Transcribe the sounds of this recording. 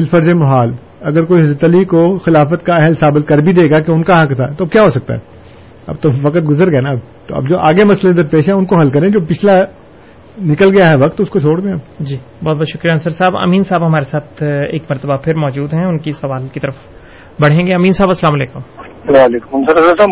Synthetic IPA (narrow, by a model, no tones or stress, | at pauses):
ɪlfɐɾzẽmɐɦaːl | ɐɡəɾkoːiɦɪzət̪əliːkoxɪlaːfət̪kaɛɦəlsaːbɪt̪̚kɐɾbʱid̪eːɡakeʊnkaɦɐkt̪ʰaːt̪oɐb̚kjaːɦosɐk̚t̪a̰ɦɛ̰ː | ɐ̰b̚t̪oʋɐkət̪ɡʊzəɾɡɐenab | t̪o̰ɐ̰bd͡ʒoːʔaːɡemɐslẽd̪əɾpeːʃɦɛ̃ʊnkoɦɐlkɐɾẽd͡ʒoːpɪt͡ʃʰla | nɪkəlɡɐjaɦɛʋɐkt̪ʊskot͡ʃʰoːɽd̪ẽad͡ʒiːbɔːt̪̚bɔːt̪ʃʊkɾijaːnsəɾsaːbɐ̰miːnsaːbɦɐmaːɾesaːt̪ʰḛːkmɐɾt̪əbapʰɪɾmɔːd͡ʒuːd̪ɦɛ̃ʊnkisɐʋaːlkit̪ɐɾəf | bɐɽ̤ɦẽːŋɡeɐmĩːnsaːbɐslaːmɐleːkʊm | aleːkʊmsɐɾɐsəɾsaː